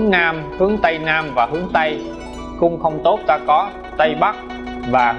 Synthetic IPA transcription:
ŋnaː˧mhɨ˨˦əŋt̪ə˧jnaː˧mvaː˨˩ɦɨ˨˦əŋt̪ə˧j | kʊ˧ŋ͡mxə˧wŋ͡mt̪o˦˥t̚t̪aː˧kɔ˨˦ | t̪ə˧jɓa˦˥k̚ | vaː˨˩

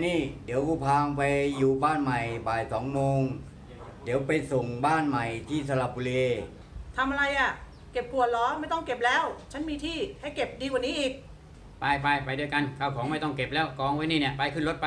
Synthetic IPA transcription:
niː˥˩diː˨˩˦wku˧˩pʰaː˧ŋpa˧jːuː˨˩baː˥˩nma˨˩jbaː˨˩jsɔː˩˦ŋmoː˧ŋ | di˩˦wpa˧jso˨˩ŋbaː˥˩nma˨˩jt̪ʰiː˥˩sa˧la˧˩p̚ːu˧leː˧ | t̪ʰa˧mʔa˧ɾa˧jʔa˨˩ | ke˨˩p̚kʰu˨˩ət̪̚lɔː˨˦˥ma˥˩jt̪ɔ˥˩ŋke˨˩p̚lɛː˦˥wt͡ɕʰa˦˥nmiː˧t̪ʰiː˥˩ha˥˩jke˨˩p̚diː˧kwa˨˩niː˦˥ʔiː˨˩k̚ | paː˧jpa˧jpa˧jdu˧əjka˧nkʰaː˧˩wkʰɔː˩˦ŋma˥˩jt̪ɔ˥˩ŋke˨˩p̚lɛː˦˥˩wkɔː˧ŋwa˧˥niː˥˩ni˦˥˩əpa˧jkʰɯ˥˩nlo˦˥t̪̚pa˧

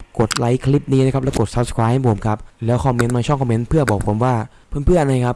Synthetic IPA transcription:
ko˨˩t̪̚la˦˥jkʰli˦˥p̚niː˦˥˩n˧˥˩kʰa˦˥p̚lːɛ˦˥wko˨˩t̪̚sa˦˥p̚skʰɾaː˦˥hpʰo˨˩˦mkʰa˦˥p̚lɛː˦˥wkʰɔː˧me˦˥nmaː˧t͡ɕʰɔ˥˩ŋkʰɔː˧me˦˧˥npʰɯ˥˩ɐbɔː˨˩k̚pʰo˩˦mwaː˥˩ | pʰɯ˧npʰɯ˥˩ɐʔa˧na˧jkʰa˦˥p̚

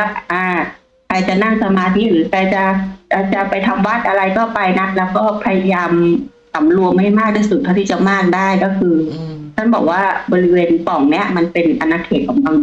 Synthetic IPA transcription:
ʔaː˧˩ | kʰa˧jt͡ɕa˨˩na˥˩ŋsa˧maː˧t̪ʰi˦˥ɾɯː˨˦kʰaː˧jt͡ɕa˧˩kaː˧˩t͡ɕa˨˩pa˧jt̪ʰa˧mwaː˦˥˩t̪̚ʔa˧ɾa˧jkɔː˥˩pa˧jna˦˥k̚lɛː˦˥wkɔː˥˩pʰa˧ja˧jaː˧m | sa˨˩˦mlu˧əŋma˥˩jmaː˥˩k̚t̪ʰaː˥˩su˨˩t̪ʰːa˥˩t̪ʰiː˥˩t͡ɕa˧wmaː˥˩k̚daː˥˩jkɔː˥˩kʰɯː˧t̪ʰa˥˩nbɔː˨˩k̚waː˥˩bɔː˧ɾi˦˥weː˧npɔ˨˩˦ŋni˦˥ɐʔma˧npe˧nʔa˧nːaː˧kʰeː˨˩t̪̚kʰɔː˩˦ŋka˧ŋ

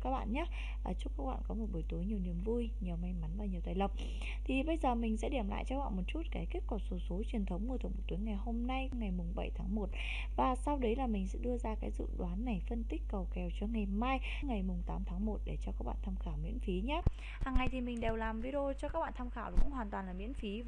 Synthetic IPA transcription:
kaː˦˥k̚ɓa̰ː˧˨nɲaː˨˦˥ | ʔəː˧˩t͡ɕu˦˥kaː˦˥k̚ɓa̰ː˧˨nkɔ˨˦mo˨˩t̚ɓo˨˧˩jt̪u˨˦jɲi˨˩əwni˨˩əmvu˧jɲi˨˩wma˧jma˨˦nvaː˨˩ɲ˨˩ət̪aː˧˨jlə˨˩k͡p̚ | t̪ʰi˨˩ɓə˧jzəː˨˩mï˨˩ŋ̟sɛ̰˧˥ɗi˧˩əmla̰ː˧˨jt͡ɕɔ˧˥ɓa̰ː˧˨nmo˨˩t̚t͡ɕu˦˥t̚ka˨˦ki˦˥k̚kɔ˧˩so˨˦so˨˦t͡ɕwi˨˩ənt̪ʰə˨˦wŋ͡mŋu˧t̪ʰŋ͡mmo˨˩t̪u˨˦jŋa˨˩jho˧mna˧jŋa˨˩jmʊ˨˩ŋ͡mɓə˧˩jt̪ʰaː˨˦ŋmo˨˩t̚ | vaː˨˩sa˧wɗə˨˦jlaː˨˩mï˨˩ŋ̟sɛ̰˧˥ɗɨ˧əzaː˧kaː˨˦jzɨ̰˧˨ɗwaː˨˦nːa˨˩jfə˧nt̪ï˦˥k̟̚kə˨˩wkɛ˨˩wt͡ɕɔ˧ŋa˨˩jmaː˧j | ŋa˨˩jmʊ˨˩ŋ͡mt̪aː˨˦mt̪ʰaː˨˦ŋmo˨˩t̚ɗe˧˩t͡ɕɔ˧kaː˦˥ɓa̰ː˧nt̪ʰa˧mxaː˧˩wmḭ˧˥ənfi˨˦ɲa˦ | haː˨˩ŋːa˨˩jt̪ʰi˨˩mï˨˩ŋ̟ɗe˨˩wlaː˨˩mvi˧ɗo˧t͡ɕɔ˧kaː˦˥k̚ɓa̰ː˧˨nt̪ʰaː˧mxaː˧˩wxə̰˧wŋ͡mhwaː˨˩nt̪waː˨˩nlaː˨˩mḭ˧˥ənfi˨˦

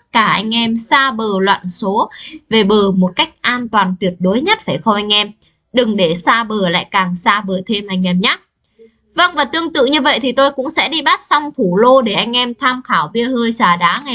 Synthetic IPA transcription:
kaː˧˩ʔa˧jŋ̟ʔɛ˧msaː˧ɓəː˨˩lwa̰ː˧˨nso˨˦ve˨˩ɓəː˨˩mo˨˩t̚ka˦˥jk̟̚ʔaː˧nt̪waː˨˩nt̪wi˨˩ət̚ɗo˨˦jɲə˦˥t̚faː˧˩jxə˧wʔa˧jŋ̟ʔɛ˧m | ɗɨ˨˩ŋɗe˧˩saː˧ɓəː˨˩la̰ː˧˨jkaː˨˩ŋsaː˧ɓəː˨˩t̪ʰe˧mʔa˧jŋ̟ʔɛ˧mɲaː˦˥ | və˧nvaː˨˩t̪ɨ˧əŋt̪ɨ̰˧˨ɲɨ˧və̰˧˨jt̪ʰi˨˩t̪o˧jkʊ̰˧˥ŋ͡msɛ̰˧˥ɗi˧ɓa˦˥t̚sɔ˧wŋ͡mt̪ʰu˧˩lo˧ɗe˧˩ʔa˧jŋ̟ʔɛ˧mt̪ʰaː˧mxaː˧˩wɓi˧əhəː˧jt͡ɕaː˧˩ɗaː˨˦ŋa˨˩

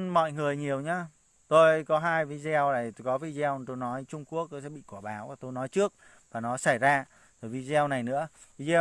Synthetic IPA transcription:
mɔ̰˧˨jŋɨ˨˩əjɲi˨˩əwɲaː˧ | t̪o˧jkɔ˨˦ɦaː˧jvi˧zɛ˧wla˨˩jt̪kɔ˨˦vi˧zɛ˧wt̪o˧jnɔ˨˦jt͡ɕʊ˧ŋ͡mku˦˥ək̚t̪o˧jsɛ̰˧˥ɓḭ˧˨kwaː˧˩ɓaː˨˦wt̪o˧jnɔ˨˦jt͡ɕɨ˦˥ək̚ | vaː˨˩nɔ˨˦sa˧˩jzaː˧ | t̪ʰo˨˩vi˧zɛ˧wna˨˩jnɨ̰˧˥ə | vi˧˥zɛ˧w

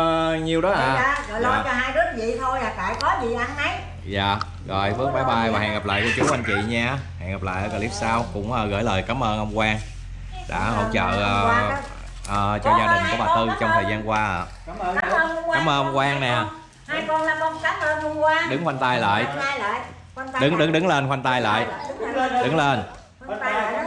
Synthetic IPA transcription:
ɲi˨˩əwɗɔ˨˦ʔaː˨ə˨˩ɔ˨˦˩t͡ɕɔ˧ɦaː˧jɗɨ˦˥ək̚vḭ˧˨t̪ʰo˧jlaː˨˩ka̰ː˧˨jkɔ˨˦zi˨˩˨ʔa˧nha˨˦j | za̰ː˨˩ | ɣɔ˨˩jfɨ˦˥k̚maː˨˦jɓaː˧jvaː˨˩hɛ̰ː˧˨˩ŋɣa˨˩pla̰ː˧˨jku˧t͡ɕu˨˦əwʔa˧jn̟kḭ˧˨ɲaː˧ha̰˧˨ŋɣa˨˩p̚la̰ː˧˨ʔəː˨˦kaː˧li˦˥p̚saː˧wkʊ̰˧˥ŋ͡mʔəː˨˩ɣə̰ː˧˩jləː˨˩jkaː˨˦mʔəː˧nʔə˧wŋ͡mkwaː˧ŋ | ɗa̰ː˧˥hə̰˧˩wt͡ɕə̰ː˧˨ə˧ | ʔəː˨˩t͡ɕɔ˧zaː˧ɗï˨˩ŋ̟ku˧˩˦ɓaː˨˩t̪ɨ˧t͡ɕɔ˧ŋ͡mt̪ʰəː˨˩jzaː˧nkwaː˧ʔa̰ː˨˧ | a˨˦mʔəː˧nʔə˧wŋ͡mkwaː˧ŋnɛ˨˩˨ | ɗɨ˨˦ŋxwa˧jŋ̟t̪a˧jlə̰ː˧˨j | ɗɨ˨˦ŋɗɨ˨˦ŋɗɨ˨˦ŋle˧nxwa˧jŋt̪a˧jlə̰ː˨j | ɗɨ˨˦ŋle˧n˧˨

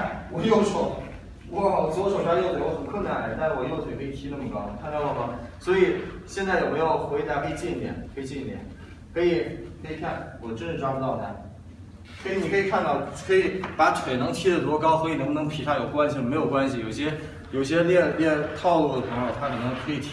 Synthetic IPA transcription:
a˥˩wɔ˨˩jo˥˩ʊʂwɔ˥ | wɔ˧˥˩swɔ˧˥˩ʂo˨˩ŋʂɑ˥jo˥˩ʊt̪ʰwɔ˧˥xə˨˩nkʰwə˥˩na˧nla˧˥˩t̪a˥˧nʂɻ̩˥˩wɔ˨˩jʊtʰkʰi˨˩t̪ʰi˥nə˥˩mə˨˩kɑ˥ʊ˩t̪ʰa˥˧n˥˧ɑ˥˩ɑ˥swɔ˧˥i˨˩ɕjɛ˥˧nt͡sa˥˩ɪjo˨˩pu˧˥jɑ˥˩ʊxwe˧˥ɪt̪a˧˥kʰɤ˧˥i˧˩t͡ɕi˥˩˥t̪jɛ̰˨˩˦nkʰɤ˧˥i˨˩t͡ɕɛ˥˩˥t̪jɛ̰˨˩˦n | kʰɤ˧˥i˨˩˨kʰɤ˧˥i˨˩kʰa˥˩nwɔ˨˩ʈ͡ʂə˥nʂɻ̩˥˩ʈ͡ʂɑ˥ʈ͡ʂu˧t̪ɑ˥˩ʊt̪ʰa̰˧˥ | kʰɤ˧˥i˧˥ni˨˩kʰɤ˧˥i˨˩kʰa˥˧nt̪ɑ˥˩ʊkʰɤ˧˥i˨˩˦pa˧˥ʈ͡ʂʰwe˨˩ɪnɤ˧˥ŋt̪ʰi˥ɾə˨˩t̪u˧˥˧kɑ˥ʊswɔ˧˥i˨˩nɤ˧˥ŋpo˧nɤ˧˥pʰi˨˥˩ʂa˥˩jo˨˩ʊkwa˥nɕi˨˧ɔ˧˨me˧˥jo˨˩ʊkwa˥nɕi˨jo˨˩ʊɕjɛ˥ | jo˨˩ʊɕ̬jɛ˥ljɛ˥˧nljɛ˥˧nt̪ʰɑ˥˧ʊlu˥˩d̪ə˩pʰɤ˧˥jo˨˧ʊt̪ʰa˥kʰɤ˨˩nɤ˧˥ŋkʰɤ˧˥i˨˩t̪ʰ

